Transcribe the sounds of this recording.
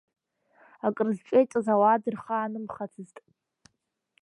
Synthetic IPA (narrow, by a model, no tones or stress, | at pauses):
akʼɨrɨzt͡ʃʷʼejt͡ʃʷʼazawadɨrχaːnɨmχat͡sʰɨztʼ